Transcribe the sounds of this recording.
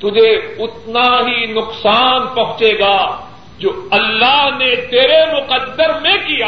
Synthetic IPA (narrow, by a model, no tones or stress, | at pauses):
t̪ʊd͡ʒʱeʊt̪naɦinʊqsaːnpɐɦʊ̃t͡ʃeːɡaː | d͡ʒoːɐlːaːɦnet̪eːɾemʊqəd̪ːəɾmẽkija